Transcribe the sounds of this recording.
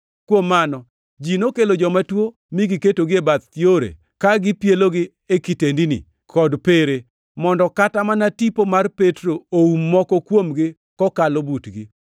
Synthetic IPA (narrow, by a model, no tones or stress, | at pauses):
kwomːanɔ | d͡ʒinokelod͡ʒɔmatwo | miɡɪketoɡɪebat̪ːjoɾḛ | kaɡɪpjeloɡɪ | ekitendinḭ | kʰɔdpeɾe | mɔndɔkatamanatipomarpetɾooumːɔkɔkwomɡɪ | kɔkalobutɡɪ